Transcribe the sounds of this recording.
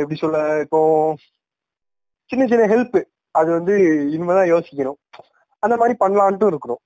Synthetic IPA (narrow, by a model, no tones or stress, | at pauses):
ɛpːɐɽisɔlːɐɪpːõː | t͡ʃɪnːɐt͡ʃɪnːɐɦɛlpː | ɐðɯʋɐnd̪ɯɪnːɯmɐt̪ãːjoːsɪ̥kʲːɐɳʊ̃ | ɐnd̪ɐmaːd̪ɾipɐɳːɐlaːɳʈːʊ̃ɪɾɯkːɯɳʊ̰̃